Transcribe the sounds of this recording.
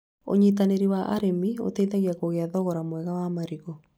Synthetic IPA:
o̰ɲit̬aneɾiwaʔa̰ɾemio̰teiðaɣiakoɣeaðɔɣɔɾamwɛɣawamaɾiɣɔ

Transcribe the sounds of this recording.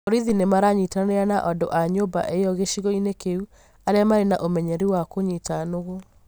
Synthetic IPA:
oɾiðinemaɾaɲitaneanaʔɔndo̰ʔaɲoba̰ʔeɔɣeʃiɣɔinekeu | aɾeamaɾenaʔomɛɲɛɾiwakoɲitanoɣo

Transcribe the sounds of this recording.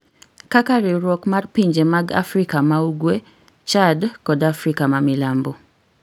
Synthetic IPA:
kakaɾiɾwɔkmarpiɲd͡ʒemaɡa̰fɾikamauɡwe | t͡ʃadkɔdafɾikamamɪlambo

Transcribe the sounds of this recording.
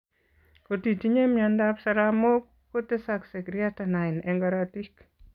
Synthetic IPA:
kotitiɲemjandapsaɾamok | kːotesaksekɾiatanaɪnɛŋɡaɾatik

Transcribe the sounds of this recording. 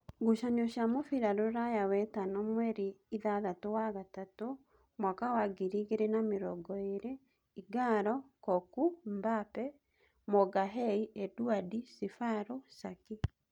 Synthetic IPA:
ɡuʃanoʃamofiɾaɾoɾajawɛtanɔmwɛɾiiðaðatowaɣatato | mwakawaɡiɾiɣeɾenameɾɔɡɔeɾe | iɡaɾɔkɔkumbapɛ | mɔɡaɦɛiʔɛduadisefaɾosaki

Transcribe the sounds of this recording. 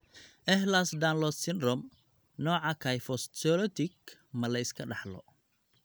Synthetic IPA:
ʔɛɦlasd̪aːnlɔssɪnd̪ɾɔm | nɔːʕɑkʰaːjfɔssɔlɔt̪ʰɪkmɐlɐɪskʰɐɖɑħlɔ̰

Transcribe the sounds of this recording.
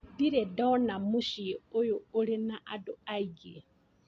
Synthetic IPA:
diɾɛdaɔnamuʃiojuːlinaʔadɔaiɡe

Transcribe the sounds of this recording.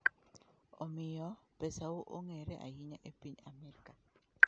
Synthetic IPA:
ɔmɪjɔpesawoʔo̰ŋeɾeʔa̰jiɲaʔepiɲamɛɾka

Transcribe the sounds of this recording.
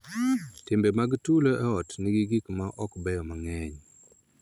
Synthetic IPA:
tɪmbɛmaɡtuloʔɛɔtnɪɡiɡikmaʔɔkbɛjɔmaŋɛɲ

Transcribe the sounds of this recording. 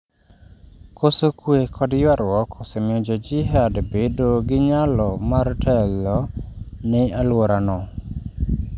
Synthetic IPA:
kʰosokwekʰɔdjwaɾwɔkʰɔsɛmɪɔd͡ʒɔd͡ʒiɦɛdbedoɡɪɲalɔmartʰɛlːɔnɪalwoɾanɔ

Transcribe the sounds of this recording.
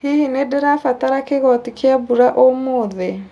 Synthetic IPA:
hihinedeɾafataɾakeɣɔtikiabuɾaʔomoðɛ

